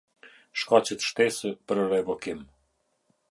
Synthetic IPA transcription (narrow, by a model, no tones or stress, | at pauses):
ʃkɑt͡ɕət̪ʃt̪ɛsəpəɾəɾɛvɔkim